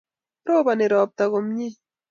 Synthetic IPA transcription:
pɾoːbanɪɾoːp̚t̪aɣʊmɲi

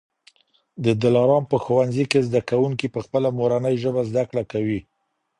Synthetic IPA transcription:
d̪əd̪ɪlɑɾɑmpəxuwanzikezd̪akawuŋkipəxpəlamoɾanəjʒəbazd̪akɽakawi

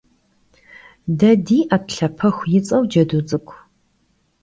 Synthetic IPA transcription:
dɐdiːʔɐtɬɐpʰɐxʷjɪt͡sʼɐwd͡ʒɐdut͡sʼɨkʷʰʼ

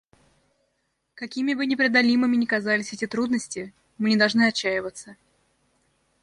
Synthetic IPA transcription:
kɐkʲimʲɪbɨnʲɪpɾʲɪd̪ɐlʲimɨmʲɪnʲɪkɐzalʲɪsʲɛtʲɪt̪ɾud̪nəsʲtʲɪ | mɨnʲɪd̪ɐlˠʐnɨɐt͡ɕːæjɪvət̪sə

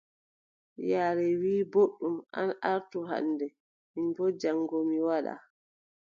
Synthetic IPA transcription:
jaːɾɛwiːboɗːuma̰nʔaɾtuɦa̰nːdɛ | minbɔd͡ʒaŋɡomiwaɗa̰

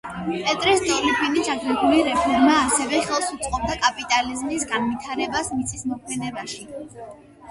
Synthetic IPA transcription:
pʼɛt̪ʼɾisd̪ɔlipʰinisaɡɾɛɡuliɾɛpʰɔɾmaːsɛvɛχɛlˠsut̪sʼqʼɔb̚d̪akʼapʼit̪ʼalizmisɡanvit̪ʰaɾɛbasmit̪sʰʼismɔkʰmɛnɛbaʃi

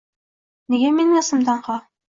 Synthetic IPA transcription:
niɡæminɑ̆sɤ̆mt̪ɑɴhɑ

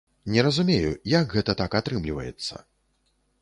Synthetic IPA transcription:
nʲɛɾɐzumʲejṵjakɣɛt̪ɐt̪akat̪ɾɨmlʲivɐjɛ̰t̪sːɐ̰

